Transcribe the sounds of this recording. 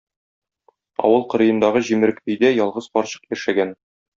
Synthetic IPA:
ɒ̰wɤlˠqɤ̆ɾɤ̆jɤ̆nd̪ɑʁɤʑimɘ̆ɾɘkt̪ɵ̆jd̪æjɒlˠʁɤz̥qɒɾɕɤ̥qjæʃæɡæn

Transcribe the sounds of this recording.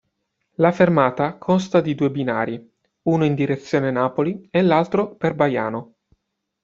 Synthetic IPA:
lafermaːt̪akʰonst̪ad̪id̪uːebinaːɾi | uːnoind̪iɾet̪sːjoːnenaːpolielːalt̪ɾoperbaja̰ːno

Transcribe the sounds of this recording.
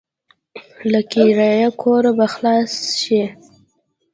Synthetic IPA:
lakiɾajakʰoɾabaxlɑsʃi

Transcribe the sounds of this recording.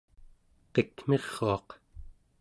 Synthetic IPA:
qekm̥e̞ʁːoɑq

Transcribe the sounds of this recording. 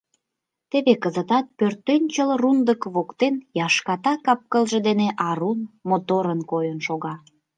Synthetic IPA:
t̪eβekəzət̪ɑt̪̚pørt̪ːønʲt͡ɕəlrund̪əkβokt̪enjɑʃkɑt̪ɑkɑp̚kəlʒĕd̪eneʔɑɾunmot̪oɾənkojənʃoɣɑ

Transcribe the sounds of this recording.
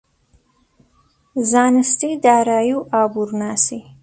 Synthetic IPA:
zɑːnɪst̪id̪ɑːɾɑːjuɑːbuɾnɑːsi

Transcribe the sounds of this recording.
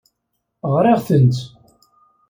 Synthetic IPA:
ʁɾeʁθənt̪

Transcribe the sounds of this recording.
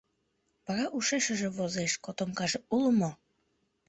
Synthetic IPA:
pɑɣɑʔuʃeʃə̆ʒĕβozeʃkot̪omkɑʒeuləmo

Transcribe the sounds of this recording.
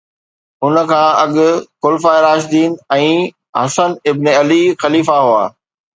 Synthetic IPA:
ʊnəkʰãːɐɠʊkʊlfaːeɾaːʃd̪iːnɛ̃ː | ɦɐsənɪbneɐlixɐliːfaɦua̰ː

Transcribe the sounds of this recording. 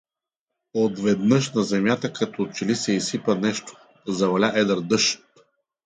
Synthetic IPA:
od̪vɛd̪nɤʃnɐzɛmʲjat̪əkɐt̪ɔt͡ʃɛlisɛisipənɛʃt̪o̥ | zɐvɐlʲaʔɛd̪əɾd̪ɤʃ

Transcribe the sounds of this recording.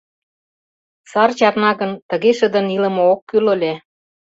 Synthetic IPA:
sɑrt͡ɕɑrnɑɣə̆nt̪ə̆ɣeʃə̆d̪ə̆nilə̆mookːylolʲe

